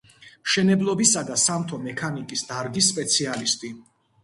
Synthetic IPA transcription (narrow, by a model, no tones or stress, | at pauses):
mʃɛnɛblˠɔbisad̪asamt̪ʰɔmɛkʰanikʼisd̪̥aɾɡisːpʼɛt̪sʰialist̪ʼi